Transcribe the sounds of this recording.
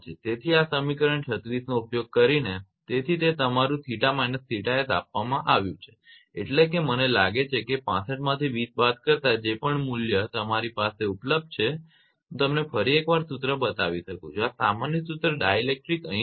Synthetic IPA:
t͡ʃet̪et̪ʰiasəmikəɾəɳt͡ʃʰət̪ɾisnoupjoɡ̚kəɾinet̪et̪ʰit̪et̪əmaɾũt̪ʰiʈamainəst̪ʰiʈaet̪a̰pʋamãʔaʋjũt͡ʃʰe̥ | eʈlek̬emənelaɡet͡ʃʰekepã̰səʈmãt̪ʰiʋisbat̪kəɾt̪ad͡ʒepəɳmuljət̪əmaɾipaseupləb̚d̪̚t͡ʃʰe | ɦũt̪əmnefəɾiekʋaɾsut̪ɾəbət̪aʋiʃəkṵ̃d͡ʒoasamanjəsut̪ɾəɖajelek̚ʈɾikə̃

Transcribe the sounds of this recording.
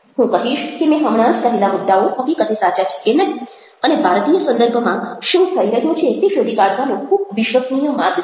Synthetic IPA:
ɦũkəɦiʃkemẽɦəmɽ̃ãd͡ʒk̪əɦelamud̪ʱːaoʔəkikəd̪ʰʱesat͡ʃat͡ʃʰə̥kenəɦ̪i | ənebʱaɾt̪ijəsənd̪əɾbʱəmãʃũt̪ʰəiɾəɦjõt͡ʃʰet̪eʃod̪ikaɽʋanõkʰub̚ʋɪʃʋəsnijəmat̪

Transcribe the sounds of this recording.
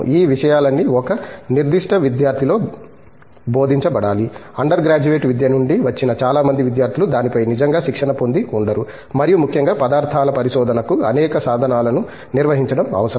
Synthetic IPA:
iːʋiʂɐjaːlɐnːiɔkɐniɾd̪iʂʈɐʋid̪jaːɾt̪ʰiloː | bo̞ːd̪ʱiɲt͡ʃɐbɐɽaːliɐɳɖɐɾɡɾaːd͡ʒuʋeːʈʋid̪jɐnuɳɖiʋɐt͡ʃːinɐt͡ʃaːlaːmɐnd̪iʋid̪jaːɾt̪ʰilud̪aːnipɐjnid͡ʒɐŋɡaːʃikʂɐnɐpo̞nd̪iuɳɖɐɾu | mɐɾijumukʰjɐŋɡaːpɐd̪aːɾt̪ʰaːlɐpɐɾiʃɔːd̪ʱɐnɐkuɐnɛːkɐsaːd̪ʱɐnaːlɐnu | niɾʋɐɦiɲt͡ʃɐɽɐmɐ̰ʋɐsɐ

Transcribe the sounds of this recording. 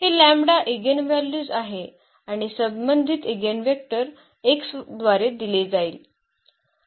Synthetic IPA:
ɦelæmbɽaʔeɡənʋæljuːd͡zaɦe | aɽ̃isəmbbənd̪ʱit̪eɡənʋek̚ʈəɾ | eksd̪ʋaɾed̪iled͡zaiːl

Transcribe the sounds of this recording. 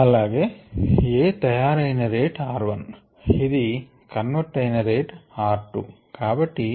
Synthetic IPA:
ɐlːaːɡeːeːt̪ɐjaːɾɐjnɐɾeːʈaːɾʋɐn | id̪i | kɐnʋɐʈːɐjnɐɾeːʈaːɾʈṵkaːbɐʈːi

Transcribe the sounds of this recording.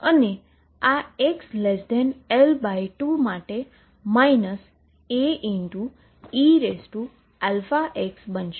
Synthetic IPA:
əne | aekslesd̪ɛnelbajʈumaʈe | mainəs | eʔiɳʈu | iɾesʈu | ɛlfaʔeksbənʃ

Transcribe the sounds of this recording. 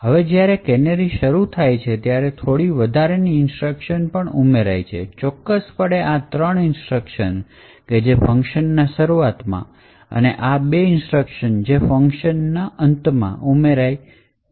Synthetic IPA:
ɦəʋed͡ʒjaɾekɛneɾiʃəɾut̪ʰajt͡ʃʰet̪jaɾet̪ʰoɽiʋəd̪ʱaɾeniɪnsʈɾəkʃənpəɳumeɾajt͡ʃʰḛt͡ʃɔkːəspəɽeʔat̪ɾəɳɪnsʈɾəkʃən | ked͡ʒefə̃ŋkʃənːaʃəɾuat̪mã̰ | ə̰neʔabeɪnsʈɾəkʃənd͡ʒefə̃ŋkʃənːaʔənt̪mã̰ʔumeɾaj

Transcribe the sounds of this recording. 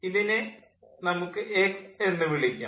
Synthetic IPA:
iðinɨ | nɐmukːɨʔekenːɨʋiɭikʲːu

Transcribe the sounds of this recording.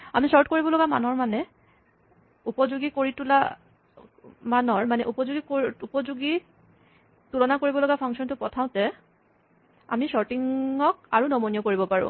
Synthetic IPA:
amisɔɹt̚koɹibɔlɔɡama̰nɔɹmanɛ | upɔzuɡikoɹitula | manɔɹmanɛʔupɔzuɡikoupɔzuɡi | tulɔnakoɹibɔlɔɡapʰɔŋsɔntʊpɔtʰaʊ̃tɛ | a̰misɔɹtiŋɔk̚aɹunɔmɔnijɔkoɹibɔpaɹʊ̰̃

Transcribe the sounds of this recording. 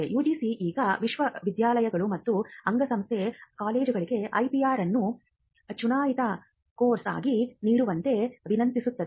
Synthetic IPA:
ejuːd͡ʒisiʔiːɡɐʋiʃʋɐʋid̪jaːlɐjɐɡɐɭumɐt̪ːuɐŋɡɐsɐmst̪ʰekaːle̞ːd͡ʒuɡɐɭiɡe̞ʔɐjpiaːɾɐnːu | t͡ʃunaːjit̪ɐ | koːɾsa̰ːɡiniːɽuʋɐnt̪e̞ʋinɐnt̪isut̪ːɐd̪e

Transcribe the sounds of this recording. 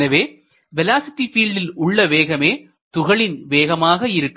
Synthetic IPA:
nɐʋeː | ʋɛlaːsɪt̪ːifiːlɖɪlʊɭːɐʋeːɣɐmeː | t̪ʊɣɐɭɪnʋeːɣɐmaːɣɐɪɾɯkː

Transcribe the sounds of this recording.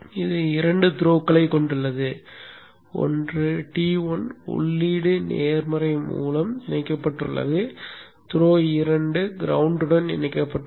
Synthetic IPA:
ɪðɯɪɾɐɳɖɯt̪ɪɾoːkːɐɭɐɪkːɔɳɖɯɭːɐðɯ | ɔ̰ndrɯʈiːʋɐnɔ̰ɭːiːɽɯnḛːɾmɐɾɐɪmṵːlɐmɪnɐɪkːɐpːɐʈːrɯɭːɐ̰ðɯ | t̪ɪɾoːɪɾɐɳɖɯɡɪɾɐʋʊɳɖɯɽɐnɪ̰nɐɪkːɐpːɐʈː

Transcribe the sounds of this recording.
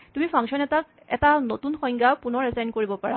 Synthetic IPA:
tumipʰaŋsɔnɛtak̚ | ɛ̰tanotunxɔ̃jŋɡapunɔɹɛzajnkoɹibɔpaɹa

